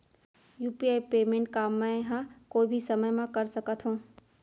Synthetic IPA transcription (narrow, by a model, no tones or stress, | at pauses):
juːpiaːipeːmẽɳʈ̚kaːmːãẽɦãkoːibʱisɐməjmãkɐɾsəkət̪ʰɦũː